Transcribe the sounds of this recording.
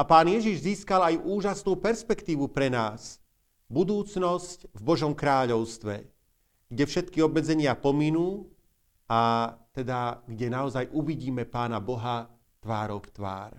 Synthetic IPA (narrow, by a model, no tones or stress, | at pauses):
apaːnjɛʒiʒziːskalajʔuːʒasnuːpɛɾspɛkt̪iːʋupɾɛnaːs | bud̪uːt͡snɔscvbɔʒɔmkɾaːʎɔʊst̪ʋɛ̰ | ɡ̥ɟɛfʃɛt̪̚kiɔbmɛd͡zɛɲɪapɔminuː | at̪ɛd̪aɡɟɛnaɔzajʔuʋiɟiːmɛpaːnabɔɦa | t̪ʋaːɾɔkt̪ʋa̰ːɾ